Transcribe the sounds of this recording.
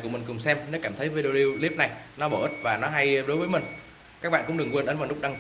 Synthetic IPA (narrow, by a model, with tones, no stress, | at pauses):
ku˧˩mï˨˩ŋ̟kʊ˨˩ŋ͡msɛ˧mnɔ˨˦kaː˧˩mt̪ʰə˨˦jvi˧ɗe˧li˧li˦˥p̚na˨˩jnɔ˨˦ɓəː˧˩ʔi˦˥t̚vaː˨˩nɔ˨˦ɦa˧jɗo˨˦jvəː˨˦jmï˨˩ŋ̟ | kaː˦˥k̚ɓa̰ː˧˨kʊ̰˧˥ŋ͡mɗɨ˨˩əŋwənʔə˨˦nvaː˨˩lʊ˦˥k͡p̚ɗa˧ŋ